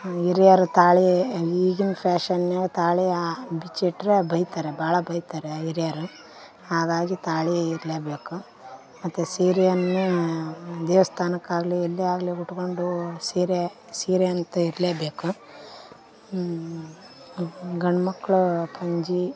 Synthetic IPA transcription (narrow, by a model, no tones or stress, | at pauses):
iɾijaɾut̪aːɭiʋiːɡinpʰaːʃɐnneːlt̪aːɭiabit͡ʃeːʈɾebɐjt̪aːɾebaːɭɐbɐjt̪aːɾeiɾijaɾu | haːɡaːɡit̪aːɭijiɾleːbeːku | mɐt̪ːusiːɾejɐnːu | d̪eːʋɐst̪ʰaːnɐkːaːɡlielːiaːɡliuʈkoɳɖusiːɾe | siːɾeɐnt̪ɐiɾleːbeːku | ɡɐɳɐmɐkːɐɭupʰɐɲd͡ʒi